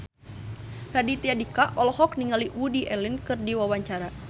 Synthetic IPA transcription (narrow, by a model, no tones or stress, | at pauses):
radit̪iadikaʔɔlɔɦɔk̚niŋaliwudiʔɛlinkɨrdiwawaɲt͡ʃaɾa